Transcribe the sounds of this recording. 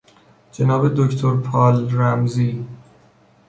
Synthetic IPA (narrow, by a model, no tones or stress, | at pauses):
d͡ʒe̞nɒːbe̞d̪oct̪ʰoɾpʰɒːlɾæmziː